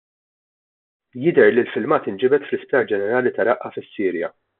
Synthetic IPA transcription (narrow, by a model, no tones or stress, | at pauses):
jɪd̪ɛɾlilfɪlmɐːt̪ɪnd͡ʒɪbɛt̪flɪspɐːɾd͡ʒɛnɛɾɐːlit̪ɐɾɐʔɐfɪsːiːɾjɐ̰